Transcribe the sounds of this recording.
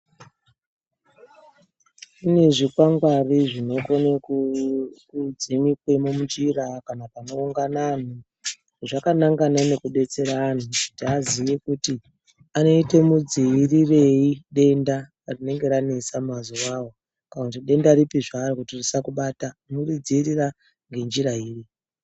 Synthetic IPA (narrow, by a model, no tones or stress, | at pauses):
ine̞ʐikwaŋɡwariʐino̞kone | kud͡zimikwe̞momud͡ʒirakanapano̞uŋɡanan̤o | ʐakanaŋɡanane̞kuɗe̞t͡se̞ɾaːn̤utiazijekuti | ano̞ite̞mud͡ziirire̞iɗe̞nda | rine̞ŋɡe̞ɾane̞samazowawo | kanakutiɗe̞ndaɾipiʐarikutirisakuɓatanorid͡ziirira | ŋɡe̞nd͡ʒiɾaiːri